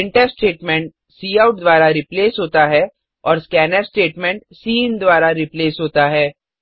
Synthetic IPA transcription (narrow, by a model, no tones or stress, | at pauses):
ɪ̃ɳʈɛsʈeːʈmɛ̃ɳʈ̚ | siːaːʊʈ̚d̪ʋwaːɾaɾipleːsɦoːt̪aɦɛ | ɔːɾskɛːnɛsʈeːʈmɛ̃ɳʈ̚siːnd̪waːɾaɾɪpleːsɦoːt̪aɦɛː